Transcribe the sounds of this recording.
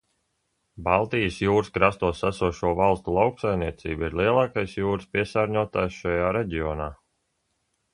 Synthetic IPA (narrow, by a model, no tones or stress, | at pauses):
balˠt̪ijəsjuːɾskɾast̪uɔsasuɔʃuɔvalˠst̪ulˠawksajmniɛt̪sḭːbiɾlˠiɛlˠɑːkajsjuːɾspiɛsaːɾɲuɔt̪aːjsʃajaːɾɛɟiɔnaː